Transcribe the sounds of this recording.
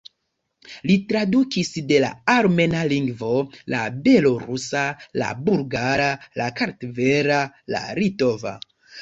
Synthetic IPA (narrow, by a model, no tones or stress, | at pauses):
litɾadukisde̞la̰aɾme̞naliŋɡvo̞la̰be̞lo̞ɾusala̰buɾɡaɾalakaɾtveɾala̰ɾitova̰